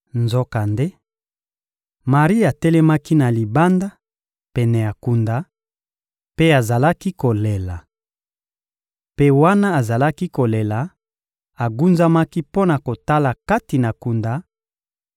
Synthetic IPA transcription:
nzɔ˦ka˨nde˦ | ma˨ʁi˦a˨tɛ˦lɛ˦ma˦ki˦na˨li˨ba˦nda˦ | pɛ˨nɛ˨ja˨ku˨nda˨ | pe˦a˨za˨la˦ki˦ko˨le˨la˨ | pe˦wa˦na˦a˨za˨la˦ki˦ko˨le˨la˨ | a˨ɡu˦nza˦ma˦ki˦po˦na˨ko˨ta˦la˨ka˦ti˨na˨ku˨nda˨˦

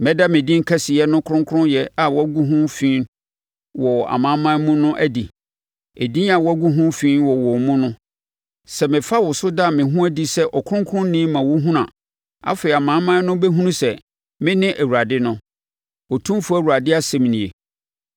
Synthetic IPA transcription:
mɛ̃˦da˦mɪ̃˨dĩ˦ŋ̩˦kʰɛ˦sɪ˨ɛ˦nʊ̃˦kʰɾʊ̃˦ŋkʰʊ˦ɾʊ̃˦jɛ˨a˨wɔ˦æ˦ɡu˦ɦũ˦fĩː˦n | wɔ˨a̰˨mãː˨˦mã˦mũ˦nʊ̃˦ʔæ˦di˨ | e˨dĩ˦a˨wɔ˦ɡu˦ɦũ˦fĩː˦nwɔ˨wɔ˨mũ˦nʊ̃˦ | sɛ˨mɪ̃˨fa˦wɔ˨sʊ˦da˦˨mɪ̃˨ɦũ˦æ˦di˦sɛ˦ʔɔ˨kʰʊ˦ʊ̃˦ŋ˦kʰʊ˦ʊ̃˦n˦nĩ˦mã˨wɔ˦ɦũ˦nã˨ | a̰˦fe˨i˨a˨mãː˨˦mã˦nʊ̃˦bɛ˦ɦũ˦nũ˦sɛ˨ | mɪ̃˦nɪ̃˦ʔæ˨wu˨ɾa˨dɪ˦nʊ̃˦ | ɔ˨tʰũ˦fu˦æ˨wu˨a˨dɪ˦a˦˨sɛ˨m˨nĩ˨ḛ˨

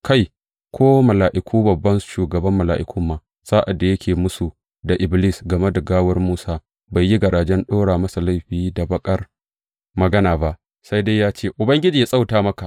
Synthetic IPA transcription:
kʰa˦j | kʷoː˦mɐ˨laː˨ʔɪ˨kʰʷuː˦bɐ˨bːɐ˦nʃuː˨ɡɐ˨bɐ˦mːɐ˨laː˨ʔɪ˨˦kʷʰʊ˦mːaː˨ | saː˦ʔa˨dːa˨jɐ˦kʲeː˨mʊ˦su˨ | da˨ʔɪ˨bli˦sɡɐ˨me˦da˨ɡaː˦wɐ˦rmuː˦saː˦ | ba˨jːi˦ɡɐ˨ɽaː˨d͡ʒɛ˦nɗoː˦ɽaː˨mɐ˦sa˨la˦˨jɸiː˦˨da˨bɐ˦kʼɐ˦r | mɐ˨ɡɐ˦naː˨ba˦ʔ | sa˦jde˦jaː˦t͡ʃeː˦˨ʔʊ˨bɐ˦ŋɡʲɪ˦d͡ʒiː˨ja˨sʼa˦wtaː˨mɐ˦ka˨ʔ

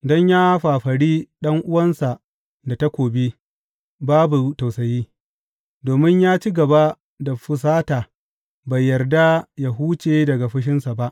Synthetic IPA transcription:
dɔ˦ɲjaː˦ɸaː˨ɸɐ˨ɽiː˦ɗɐ˦ŋʔʊ˦wɐ˦nsa˨ʔ | da˨ta˦kʷoː˨bi˦ | baː˦bu˨ta˨wsɐ˨jiː˦ | doː˨mɪ˦ɲjaː˦t͡ʃi˦ɡɐ˨ba˦ | da˨ɸʊ˨s̬aː˦taː˨ | ba˨jːɐ˨rda˦ja˦ɦuː˦t͡ʃeː˨dɐ˨ɡa˨ɸɐ˦ʃ̬ɪ˦nsa˨ba˦ʔ

